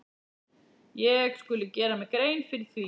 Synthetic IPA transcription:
jɛɣskʏlʏcɛːɾamɛkɾeːjnfɪɾɪɾ̥θvi

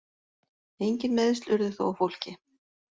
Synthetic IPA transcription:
ejɲcɪnmɛðst̪ʏɾðʏθo̰wawfowl̥cɪ

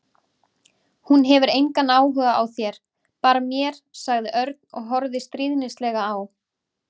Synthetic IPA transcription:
hunɦɛvʏɾejŋkanːaːwɦʏːɣaʔawθjɛɾ̥ | paːɾamjɛɾ̥saɣðɪʔœɾt̪nɔ̰ɣɦɔɾðɪst̪ɾiːðnɪst̪lɛːɣaːw

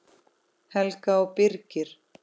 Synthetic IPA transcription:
hɛlkaɔwpɪɾcɪɾ̥

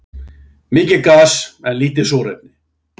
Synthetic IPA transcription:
mɪːcɪkaːsɛnliːt̪̬ɪsoːɾɛ̰p̚nɪ

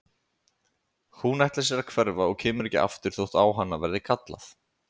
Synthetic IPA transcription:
hunaht̪lasjɛɾakʰvɛɾvaɔɣcʰɛːmʏɾɛhcɪ̰ʔa̰ft̪ʏɾ̥θowht̪aːwɦanːavɛɾðɪkʰat̪la̰θ

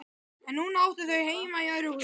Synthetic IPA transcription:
ɛnːunaːwt̪ʏθœɥheːjmaiœɾʏ

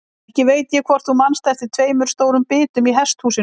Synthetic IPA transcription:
hcɪveːjt̪jɛkʰvɔr̥θumanst̪ɛft̪ɪɾt̪ʰveːjmʏɾ̥st̪oːwɾʏmpɪːt̪ʏmiɦɛst̪huːsɪ

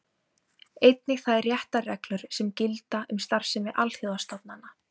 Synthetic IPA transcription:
ejt̪̚nɪɣθaðɛrjɛht̪arɛklʏɾ̥sɛmcɪlt̪aʏmst̪ar̥sɛmɪʔalθoðast̪at̪̚nanːa

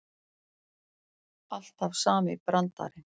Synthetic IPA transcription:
al̥t̪hafsaːmɪpɾant̪a̰ɾɪ

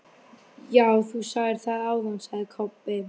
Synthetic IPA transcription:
jaːwθusaːɣjɪɾ̥θaðaːwðansaɣðɪkʰɔpːɪ

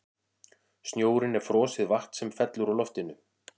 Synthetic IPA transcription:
st̪njoːwɾɪnɛɾ̥fɾɔːsɪðvaht̪sɛmfɛt̪lʏɾawlɔft̪ɪnʏ

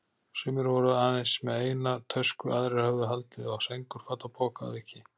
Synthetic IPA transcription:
sʏmɪɾvɔɾʏaːðensmɛðeːjnat̪ʰœskʏʔaðɾɪhœɣðʏɦalt̪ɪɔɣsejŋkʏɾ̥faːt̪apʰoːwka̰ðihcɪ

